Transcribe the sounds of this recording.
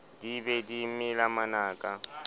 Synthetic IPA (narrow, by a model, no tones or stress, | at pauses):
dibɛdimɪlamanaːkʼa